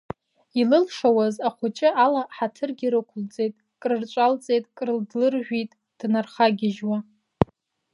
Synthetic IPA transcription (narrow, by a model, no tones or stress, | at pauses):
ilɨlʂawazaχʷʊt͡ʃʼɪalaħatʰɨrɡʲiɾɨkʷʰʊlt͡sʼe̞jtʼ | kʼrɨrt͡ʃʷʼalt͡sʼe̞jtʼkʼrɨldlɨrʒᶣʷitʼ | d̥narχaɡʲɪʒwa